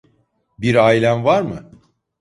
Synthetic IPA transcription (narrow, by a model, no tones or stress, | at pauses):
biɾaːilʲænvaɾmɯ